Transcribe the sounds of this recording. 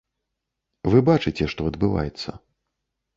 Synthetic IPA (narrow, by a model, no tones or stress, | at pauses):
vɨbat͡ʂɨt͡sʲɛʂt̪ɔɐd̪bɨva̰jɛt̪sːɐ̰